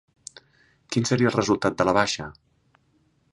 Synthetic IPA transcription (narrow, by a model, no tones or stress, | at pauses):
kinsəɾiəːlˠrəzulˠt̪at̪̚d̪ələβaʃə̰